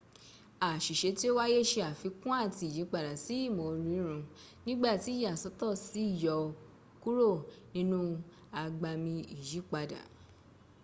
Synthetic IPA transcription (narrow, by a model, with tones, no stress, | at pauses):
a˨ʃi˨ʃe˧˦ti˦o˦wa˦je˦˨ʃe˧a˨fi˨˧˦kũ˦a˦˨ti˧˨ji˨˦k͡pa˧da˨si˨˦i˦˨mo˧ɾi˧˦ɾ̃ũ˧ | nĩ˦ɡ͡ba˦˨ti˨˦ja˨sɔ˨˦tɔ˦˨si˨˦i˦˨jɔ˧ | ku˦ɾo˦˨nĩ˦nũ˦ | a˧ɡ͡ba˧mĩ˧i˨ji˨˦k͡pa˧da̰˨